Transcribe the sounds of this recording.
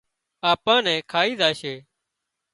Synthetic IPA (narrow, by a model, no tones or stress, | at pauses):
aːpãːnɛ̃ːkʰaːiːzaːʃeː